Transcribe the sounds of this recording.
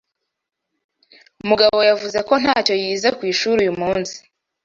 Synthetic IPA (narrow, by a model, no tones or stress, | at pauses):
umuɡaβo̞javuze̞ko̞n̥haːco̞jiːzekwiːʃuːɾujumuːnsi̥